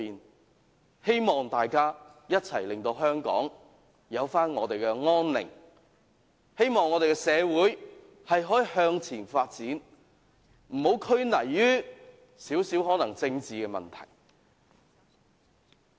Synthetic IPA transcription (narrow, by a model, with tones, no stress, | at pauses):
iː˨n | he˥jmɔː˨˩ŋt̪aː˨jkaː˥ | jɐ˥t̚t͡sʰɐ˨˩jlɪ˨˩ŋt̪o˧wɦœː˥ŋkɔ̰ː˨˥ŋ | jɐ˨˧wfaː˥nŋɔː˨˧t̪e˨jkɛ˧ŋɔː˥nlɪ̰˨˩ŋ | he˥jmɔː˨ŋːɔ˨˧ɾe˨jkɛ˧sɛː˨˧wuː˨˥j | hɐ˨jɦɔː˨˥i˨hœː˧ŋt͡sʰiː˨˩nfaː˧t̚t͡siː˨˥n | m̩˨˩ho˨˧˥wkʰɵ˥ɥnɐ˨˩jːyː˥ | siː˨˥wsiː˨˥whɦɔː˨˥nɐ˨˩ŋt͡sɪ˧ŋt͡siː˨kɛ˧mɐ̰˨˩nt̪ʰɐ̰˨˩j